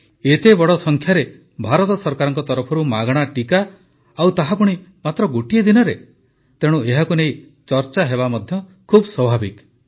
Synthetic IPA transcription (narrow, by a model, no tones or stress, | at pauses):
et̪ebɔɽɔsɔŋkʰjaɾe | bʱaɾɔt̪ɔsɔɾkaɾɔŋkɔt̪ɔɾɔpʰɔɾumaɡɽ̃aʈikaː | wt̪aɦapɔɽ̃imat̪ɾɔɡoʈied̪inɔɾe | t̪eɽ̃ueɦakunej | t͡ʃɔɾt͡ʃaɦeβamɔd̪ʱjɔkʰubswɔbʱabik